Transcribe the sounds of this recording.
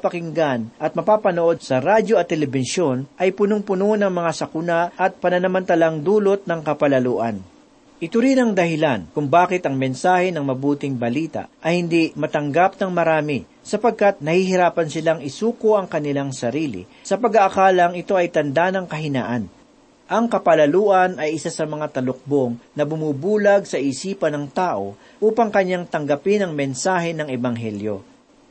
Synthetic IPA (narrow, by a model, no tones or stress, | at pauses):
pɐkɪŋɡanʔɐt̪̚mɐpaːpɐnoʔo̞d̪̚sɐɾad͡ʒo̞ɐt̪ːɛlɛbɪsjo̞nʔɐjpʊnoŋpʊnonɐŋmɐŋasɐkʊnaʔɐt̪̚pɐnɐnɐmɐnt̪ɐlaŋd̪uːlot̪̚nɐŋkɐpɐlɐluːʔɐ̰n | ʔɪt̪ʊɾinɐŋd̪ɐhɪlankʊŋbaːkɪt̪ɐŋmɛnsaːhɛnɐŋmɐbuːt̪ɪŋbɐliːt̪a̰ʔʔɐjhɪnd̪imɐt̪ɐŋɡap̚nɐŋmɐɾaːmɪ | sɐpɐɡ̚kat̪̚nɐhihɪɾaːpɐnsɪlaŋɪsuːkoʔɐŋkɐnɪlaŋsɐɾiːlɪ̰ | sɐpɐɡaʔɐkaːlɐŋɪt̪o̞ʔɐjt̪ɐnd̪anɐŋkɐɦɪna̰ːʔɐn | ʔɐŋkɐpɐlɐluːʔɐnɐjʔɪsasɐmɐŋat̪ɐlʊk̚bo̞ŋnɐbʊmuːbuːlɐɡ̚sɐʔisiːpɐnɐŋt̪aːʔo̞̰ | ʔuːpɐŋkɐɲːaŋt̪ɐŋɡɐpɪnɐŋmɛnsaːhɛnɐŋɛbɐŋɦɛljo̞̰